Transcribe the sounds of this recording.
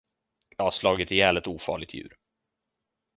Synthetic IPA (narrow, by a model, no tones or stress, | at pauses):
jɑhaʂlɑːɡɪt̪ɪɛːlət̪uːfɑ̰ːɭɪɡ̚t̪ʰjʉ̟̰ːɾ